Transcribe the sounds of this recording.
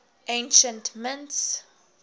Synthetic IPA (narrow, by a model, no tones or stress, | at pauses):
ẽnʃə̃ntmɪ̃nts